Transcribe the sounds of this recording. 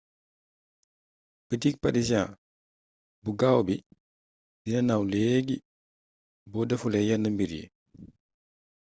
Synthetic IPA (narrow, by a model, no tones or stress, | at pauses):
pətik̚paɾisã | buɡawbi | dinɐnawleɡi | bɔdɐfulɛjanːəmbiɾjḭ